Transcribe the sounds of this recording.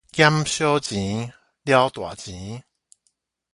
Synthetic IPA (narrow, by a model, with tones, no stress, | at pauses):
kja˦mɕjo˦t͡ɕĩ˨˦ | lja˦wt̪wa̰˨˩t͡ɕĩ˨˦